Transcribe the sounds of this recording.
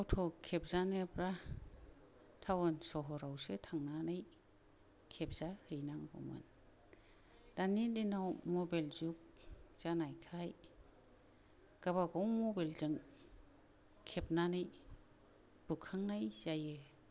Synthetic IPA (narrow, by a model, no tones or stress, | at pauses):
awtʰɔkʰep̚zanɯpɾa | tʰawɯnsɔɦɔɾawsɯtʰaŋnanɯj | kʰep̚z̥ahɯjnaŋɡɔ̰mɯ̰n | d̥anidinawmɔbalzuk̚z̥anajkʰaj | ɡ̥abaɡɔwmɔbalzɯŋ | kʰep̚nanɯj | b̥ukʰːaŋnajz̥ajɯ